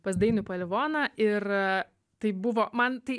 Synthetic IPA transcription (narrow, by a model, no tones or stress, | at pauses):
pɐsd̪ɐɪnʊpɐlʲɪʋoːnɐʔɪr | t̪ɐɪbʊʋoːmɐnt̪ɐɪ